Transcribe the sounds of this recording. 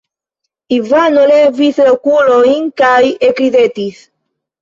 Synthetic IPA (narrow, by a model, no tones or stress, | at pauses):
ivanolevislokulojnkajekɾidet̪is